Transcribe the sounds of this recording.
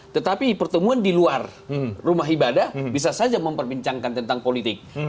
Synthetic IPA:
t̪ət̪apipərt̪əmuandiluarrumaɦibadahbis̬asad͡ʒaməmpərbiɲt͡ʃaŋkant̪ənt̪aŋpolit̪ɪk̚

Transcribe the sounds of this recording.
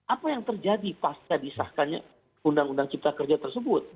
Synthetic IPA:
ʔapajaŋt̪ərd͡ʒadipaskadisahkanɲa̰ | undaŋundaŋt͡ʃip̚t̪akərd͡ʒat̪ərsəbʊt̪̚

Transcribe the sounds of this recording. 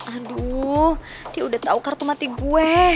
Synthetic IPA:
ahduh | d̥iaudat̪aukərt̪umat̪iɡuɛ

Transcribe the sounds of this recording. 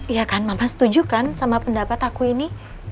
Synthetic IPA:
jakanmampasə̥t̪ud͡ʒukansamapəndapat̪akuini

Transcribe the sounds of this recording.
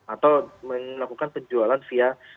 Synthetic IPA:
at̪awməlakukanpəd͡ʒualanfia

